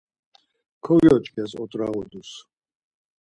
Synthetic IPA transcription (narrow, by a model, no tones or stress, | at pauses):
kʰɔjɔt͡ʃʼkʰʼɛsɔ̰t̪ʼɾaɣɔd̪us